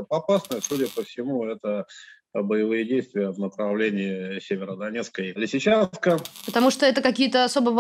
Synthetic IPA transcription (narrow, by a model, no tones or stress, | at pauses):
ɐpasnəjəsudʲəpəfsʲɪmuɛt̪ə | bəjɪvɨjədʲejst̪vʲɪjəvnəpɾɐvlʲenʲɪɪsʲevʲɪɾəd̪ɐnʲet̪skəjlʲɪsʲɪt͡ɕat̪kəpət̪ɐmuʂt̪oɛt̪əkɐkʲijət̪əɐso̞bəv